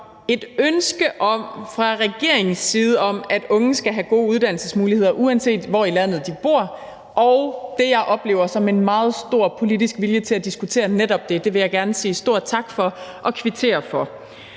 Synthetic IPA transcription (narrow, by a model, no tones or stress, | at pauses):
e̝d̥ønsɡ̥əʔɒ̽m̰fʁɑ̈ʁɛɡ̥e̝ɐ̰e̝ŋŋ̩siːð̞̩ˠəɒ̽m̰æd̥ɔ̽ŋn̩sɡ̥æɦæɡ̥o̝̰ːuð̞ˠd̥æn̰l̩səsmuːlihe̝ð̞̰ˠɐʔuænse̝̰ːd̥ʋɒilæn̰ð̞̩ˠd̥ib̥o̝ɐ̰ | ʔɒʊd̥e̝jɑ̈ɪʔɒ̽b̥le̝ːʊɐsɒ̽me̝nmɑ̈ːð̞̩ˠsd̥o̝ɐ̰pʰo̝lidisɡ̥ʋiljət͡sʰe̝læd̥isɡ̥ut͡sʰe̝̰ːɐneɾ̥ɒ̽b̥̚d̥e̝d̥e̝ʋe̝jɑ̈ɪɡ̥æɐnəsiːsd̥o̝ɐ̰d̥̚t͡sʰɑ̈ɡ̥fɒ̽ʔɒ̽kʰʋit͡sʰe̝̰ːɐfɒ̽